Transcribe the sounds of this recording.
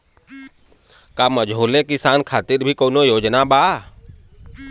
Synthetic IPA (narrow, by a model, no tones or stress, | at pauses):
kaːməd͡ʒoːlekɪsaːnkʰaːt̪ɪɾbʱikoːnojoːd͡ʒnabaː